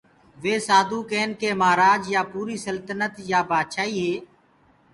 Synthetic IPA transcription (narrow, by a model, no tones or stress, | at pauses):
ʋeːsaːd̪uːkeːnkeːmaːɾaːd͡ʒjaːpuːɾiːsəlt̪nət̪jaːbaːd̪ʃaːiːɦeː